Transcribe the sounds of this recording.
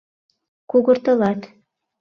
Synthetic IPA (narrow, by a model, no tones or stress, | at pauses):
kuɣɤ̆ɾt̪ɤ̆lˠɑt̪